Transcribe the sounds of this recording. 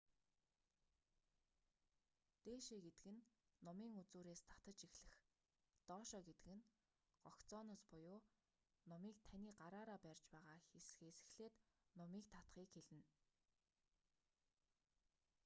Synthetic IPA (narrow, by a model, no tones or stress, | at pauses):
t̪eːʃeːɡet̪ɘ̆kɘ̆nː | ɔmiːŋut͡suːɾeːst̪ʰḁt̪ə̆t͡ɕixɮɘ̆x | t̪ɔːʃɔːɡet̪ɘ̆kɘ̆n | ɢ̥ɔkt͡sɔːnɔːspʊjʊː | nɔmiːk̚t̪ʰaniːɢaɾaːɾaːpærʲt͡ɕpæːʁaːxesxesɘ̥̆xɮeːt̪nɔmiːkt̪ʰḁt̪χiːkxeɮɘ̆n